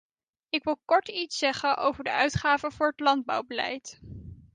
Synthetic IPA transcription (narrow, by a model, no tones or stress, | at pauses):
ɪkʋɪlˠkɔɹtitsɛχənʔo̰wvəɹdə̰ʔœɥtχaːvəvʊːɹɦətlɑnd̚bʌ̰wbəlɛ̰jt